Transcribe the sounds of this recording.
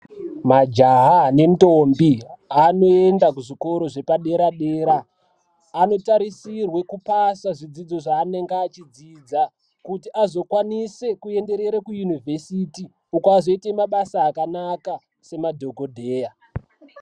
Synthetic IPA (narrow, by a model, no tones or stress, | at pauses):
mad͡ʒaɦane̞ntombiano̞endakuʐiko̞ɾo̞ʐe̞paɗe̞ɾaɗeːɾaː | no̞taɾisirwe̞kupasaʐid͡zid͡zo̞ʐaːne̞ŋɡaːt͡ʃid͡ziːd͡za | kutiʔazo̞kwanise̞kue̞nde̞ɾe̞ɾakujunivʱe̞siti | ukoazo̞itemaɓasaːkanaka | se̞madʱo̞kodʱeːja